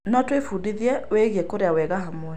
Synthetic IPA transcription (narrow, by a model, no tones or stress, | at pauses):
nɔtwefuːdiðiɛweɣiɛkoɾeawɛɣaɦamwɛ